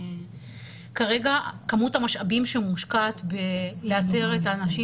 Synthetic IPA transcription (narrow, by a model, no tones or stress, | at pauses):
kaʁe̞ɡakamutamaʃabimʃemuʃkat̪beleate̞ʁetaːnaʃi